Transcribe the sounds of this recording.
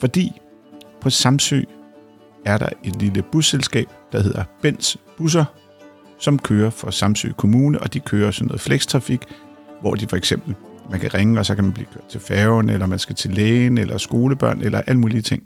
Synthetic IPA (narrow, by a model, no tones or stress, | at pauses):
fɒ̽d̥ḭː | pʰɒ̽sɑ̈msø̰ː | æɐɾɑ̈e̝d̥liləb̥usːelsɡ̥ɛ̰ːb̥̚d̥ɑ̈he̝ð̞̰ˠɐb̥en̰sb̥us̬ɐ | sɒ̽mkʰøːɐfɒ̽sɑ̈msø̰ːkʰo̝muːnəʔɒ̽d̥ikʰøːɐsɒno̽ːð̩ˠfleɡ̥st͡sʰʁɑ̈fiɡ̥ʋɒ̰d̥ifɒ̽eɡ̥sem̰b̥l̩mænkʰæʁeŋəɒ̽sɒ̽kæmænb̥liːkʰøɐ̰d̥̚t͡sʰe̝lfɛːʊnelɐmænsɡ̥æt͡sʰe̝leːnelʔɐsɡ̥o̝ːləb̥ɶɐ̰nelɐʔæl̰muːliət͡sʰe̝ŋ̰